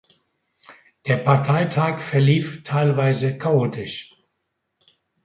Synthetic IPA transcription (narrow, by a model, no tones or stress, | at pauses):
d̥eːɐpʰaɐtʰaɪtʰaːkfɛɐliːftʰaɪlvaɪzəkʰaoːtʰɪʃ